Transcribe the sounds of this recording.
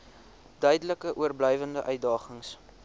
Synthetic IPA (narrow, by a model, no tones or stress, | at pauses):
dœɥdələkəʔuərblœjvəndəʔœɥt̚dɑːχəŋs